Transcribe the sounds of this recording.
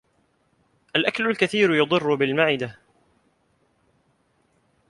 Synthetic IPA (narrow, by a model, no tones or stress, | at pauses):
ʔalʔaklʊlkaθiːɾjɑd̪ˤɨrːʊbɪlmaʕɪd̪a